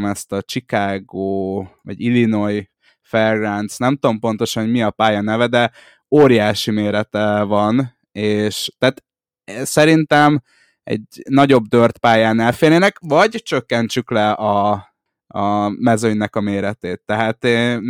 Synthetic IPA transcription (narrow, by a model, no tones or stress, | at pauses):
mɛst̪ɒt͡ʃikaːɡoːvɒ̰ɟilino̞j | fɛrɡrant̪snɛmt̪o̞mpo̞nt̪o̞ʃɒnɦoɟmiɒpaːjɒnɛvɛd̪ɛ | oːɾijaːʃimeːɾɛt̪ɛvɒn | eːʃt̪aːt̪ | sɛɾint̪ɛm | ɛ̰ɟnɒɟo̞bd̪ørt̪paːjaːnɛlfeːɾneːnɛkvɒɟt͡ʃø̞kːɛnt͡ʃyklɛɒ | ɒmɛzøɲnɛkɒmeːɾɛt̪eːt̪ːɛɦaːt̪e